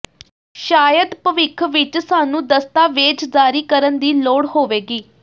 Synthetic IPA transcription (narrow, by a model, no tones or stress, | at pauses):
ʃaːjəd̪pəʋɪkʰʋɪt͡ʃsaːnũːd̪əst̪aːʋeːd͡ʒzaːɾiːkəɾənd̪iːloːɽɦoːʋeːɡiː